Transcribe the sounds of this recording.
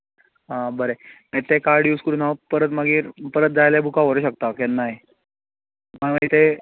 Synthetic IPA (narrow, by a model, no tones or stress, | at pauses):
ɦãbəɾemet̪ekaɾɖjuːskəɾuːnaʋpəɾət̪məɡiːɾpəɾət̪̚d͡zajlebʱukaʋəɾuːɕək̚t̪akɛnːaɦj | məʋəit̪e